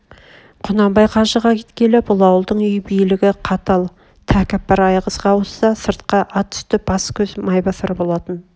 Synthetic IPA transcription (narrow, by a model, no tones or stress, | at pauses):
qʰʊnɑmbɑjqʰɑʒəʁɑkʲʰet̪kʲe̞lɪbʊlˠɑwəlˠd̪əɴʏjbijlɪɡʲɪqʰɑt̪ɑlˠ | t̪ʰækʲɪp̚ːɑɾɑjʁəzʁɑwʊsɑsəɾt̪qɑʔɑt̪ʰːʏ̥st̪ɪb̥ɑskʲʰɵzmɑjbɑθɪɾbo̞lˠɑt̪ən